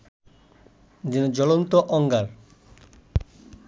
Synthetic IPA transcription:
dinod͡ʑɔlont̪oʔɔŋɡaɾ

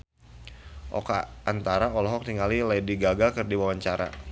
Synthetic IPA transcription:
ʔɔ̰kaːnt̪aɾaɔlɔɦɔk̚niŋalilajdiɡaɡakɨrdiwawaɲt͡ʃaɾa̰

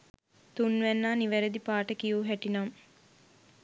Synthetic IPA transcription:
t̪unːʋænːaːniʋæɾed̪ipaːʈəkijuːɦæʈinam

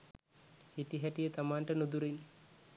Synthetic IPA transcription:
hitiɦɛʈijət̪amaːnʈənud̪uɾin

